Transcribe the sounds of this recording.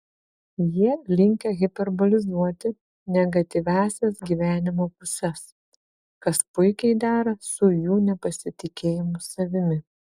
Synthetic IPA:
jiɛlʲɪŋʲkʲɛɣʲɪpʲɛɾbɔlʲɪzuɔt̪ʲɪ | nʲɛɡɐt̪ʲɪʋʲæːsʲɛsɡʲiʋʲæːnʲɪmoːpʊsʲɛs | kɐspʊɪkʲɛɪd̪ɑːɾɐsʊjuːnʲɛpɐsʲɪt̪ʲɪkʲeːjɪmʊsɐʋʲɪmʲɪ

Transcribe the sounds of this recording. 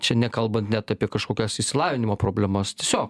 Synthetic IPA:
t͡ʃʲɛnʲɛkɐlˠbɐnt̪nʲɛt̪ɑpʲiɛkɐʃkoːkʲɛsɪʃʲsʲɪlˠɑːʋʲɪnʲɪmoːpɾoːbʲlʲæmɐst̪ʲiɛsʲoːk

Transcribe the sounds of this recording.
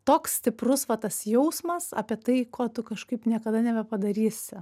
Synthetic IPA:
t̪oːkssʲt̪ʲɪprʊsʋɐt̪ɐsjɛʊsmɐsɑːpʲiɛt̪ɐɪkoːt̪ʊkɐʃkɐɪpnʲiɛkɐd̪ɐnʲɛbʲɛpɐd̪ɐɾʲiːsʲɪ

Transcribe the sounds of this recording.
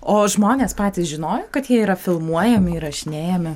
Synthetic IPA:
oːʒmoːnʲeːspɑːt̪ʲɪsʒʲɪnoːjoːkɐt̪jiɛiːɾɐfʲɪlˠmuɔjɛmʲɪɾɐʃʲɪnʲeːjɛmʲɪ

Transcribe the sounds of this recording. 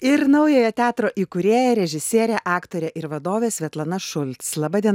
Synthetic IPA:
ɪɾnɐʊjoːjɛt̪ʲæːt̪ɾoːʔiːkʊɾʲeːjɛɾʲɛʒʲɪsʲiɛɾʲɛʔɑːkt̪oːɾʲɛʔɪɾʋɐd̪oːʋʲeːsʲʋʲɛt̪lˠɐnɐʃʊlʲt̪slˠɑbɑːd̪ʲiɛ

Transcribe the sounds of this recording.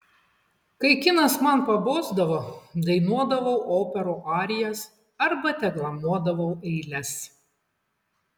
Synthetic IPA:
kɐɪkʲɪnɐsmɐnpɐboːzd̪ɐʋoːd̪ɐɪnuɔd̪ɐʋɐʊʔoːpʲɛɾoːʔɑːɾʲɪjɛs | ɐɾbɐt̪ʲɛɡlˠɐmuɔd̪ɐʋɐʊɛɪlʲɛs

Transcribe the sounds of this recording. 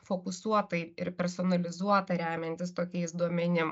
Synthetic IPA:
foːkʊsuɔt̪ɐɪɪɾpʲɛɾsɔnɐlʲɪzuɔt̪ɐɾʲæːmʲɛnʲt̪ʲɪst̪oːkʲɛɪsd̪uɔmʲɛnʲɪm

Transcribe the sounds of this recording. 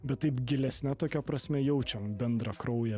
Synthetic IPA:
bʲɛt̪tːɐɪpɡʲɪlʲɛsʲnʲɛt̪oːkʲɛpɾɐsʲmʲɛjɛʊt͡ʃʲɛbʲɛnd̪ɾɐkɾɒʊjɛ

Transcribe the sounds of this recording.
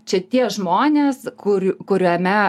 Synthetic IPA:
t͡ʃʲɛt̪ʲiɛʒmoːnʲeːskʊɾʲkʊɾʲomʲɛ

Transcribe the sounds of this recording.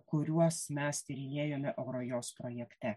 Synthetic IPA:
kʊɾʲuɔsmʲɛst̪ʲɪɾʲɪnʲeːjomʲɪʔɐʊɾojospɾɔjɛkt̪ʲɛ

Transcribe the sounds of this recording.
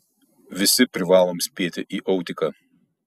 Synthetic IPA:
ʋʲɪsʲɪpʲɾʲɪʋɑːlˠoːmsʲpʲeːt̪ʲɪʔiːʔɔʊt̪ʲɪkɐ

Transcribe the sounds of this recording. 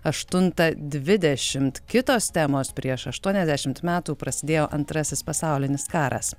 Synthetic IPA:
ɐʃt̪ʊnt̪ɐd̪ʲʋʲɪd̪ʲɛʃʲɪmt̪kʲɪt̪oːst̪ʲæːmoːspʲɾʲiɛʃɐʃt̪uɔnʲɛzʲd̪ʲæʃʲɪmt̪mʲæːt̪uːpɾɐsʲɪd̪ʲeːjoːʔɐnt̪ɾɐsʲɪspɐsɑˑʊlʲɪnʲɪskɑːɾɐ̰s

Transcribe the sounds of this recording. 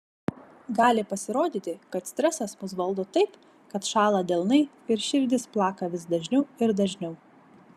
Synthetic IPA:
ɡɑːlʲɪpɐsʲɪɾoːd̪ʲiːt̪ʲɪkɐt̪sʲt̪ʲɾʲɛsɐsmʊs̬ʋɐlˠd̪ʊt̪ɐɪp | kɐt̪ʃɑːlˠɐd̪ʲɛlˠnɐɪ | ɪɾʃʲɪɾʲd̪ʲɪsplˠɑːkɐʋʲɪsd̪ɐʒʲnʲɛʊɪɾd̪ɐʒʲnʲɛʊ

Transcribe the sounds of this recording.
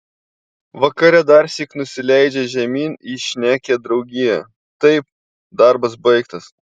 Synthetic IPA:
ʋɐkɐɾʲɛd̪ɐɾsʲiknʊsʲɪlʲæɪd͡ʒʲɛʒʲɛmʲiːniʃʲnʲæːkʲed̪ɾɒʊɡʲɪjɛ | t̪ɐɪp̚ | d̪ɑɾbɐs̬bɐɪkt̪ɐs

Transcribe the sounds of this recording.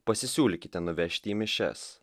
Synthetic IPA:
pɐsʲɪsʲuːlʲɪkʲɪt̪ʲɛnʊʋʲɛʃʲt̪ʲiiːmʲɪʃʲɛ̰s

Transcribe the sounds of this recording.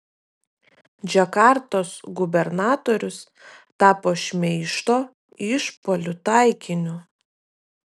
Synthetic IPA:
d͡ʒʲɛkɑˑɾt̪oːsɡʊbʲɛɾnɑːt̪oːɾʲʊs | t̪ɑːpoːʃʲmʲɛɪʃt̪oː | ɪʃpolʲʊt̪ɑˑɪkʲɪnʲʊ

